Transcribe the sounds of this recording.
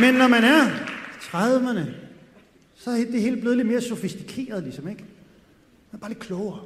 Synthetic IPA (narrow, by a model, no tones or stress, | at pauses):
menːɒmænæɐt͡sʰʁaðˠʋənə | sɒ̽hed̥e̝ɦe̝̰ːld̥b̥leð̞ˠed̥me̝ːɐso̝fisd̥i̥kʰe̝̰ːɐð̞̩ˠlisɒ̽meɡ̥ | mænb̥ɑ̈ːled̥̚kʰlɔʊɐ